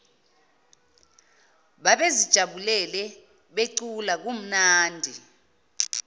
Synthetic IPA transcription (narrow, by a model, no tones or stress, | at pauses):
ɓaɓezid̥ʒ̥ʱaɓulɛlɛ | ɓeǀulak̬um̩naːndʱi